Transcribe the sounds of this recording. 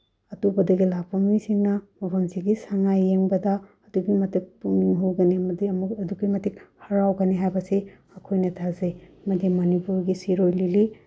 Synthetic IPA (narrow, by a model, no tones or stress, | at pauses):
ɐtubɐdɐɡilapʰɐmisiŋnɐmɐpʰonsiɡisaŋajːeŋbɐdɐː | duɡimɐtik̚puŋniŋɦuɡɐnimɐdimuɐduɡimɐtikhɐɾawɡɐniɦajbɐsi | ɐkʰojnɐtʰazejmɐdimɐnipuɾɡisiɾojlili